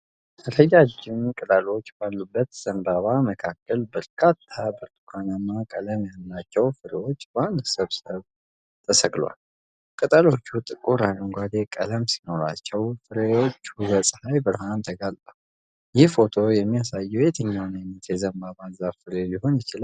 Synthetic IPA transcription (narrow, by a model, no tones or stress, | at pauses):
əɾəjad͡ʒːɪmkʼɨt̪ʼalo̞t͡ʃːbalːubːət̪z̥əmbaβaməkʰakːəlbəɾkʰat̪ʰːabəɾt̪ʼukʰanamːakʼələmjalːat͡ʃːɛwfɨɾewo̞t͡ʃːband̪səβsəβ | t̪ʰəsəɡlwa̰l | kʼɨt̪ʼalo̞t͡ʃːut̪ʼɨkʼuɾanəŋɡʷad̪e̞kʼə̰ləmsi̥no̞ɾa̰t͡ʃːɛwfɨɾewo̞t͡ʃːhuβəsʼhajbɨɾɦant̪ʰəɡalt̪ʼə | jɪhfo̞t̪ʰo̞jɛmːijasajːɛwjɛt̪ʰəɲːawnɨnət̪ʰjɛzəmbaβazaβfɨɾeliɦo̞njɪt͡ʃɪla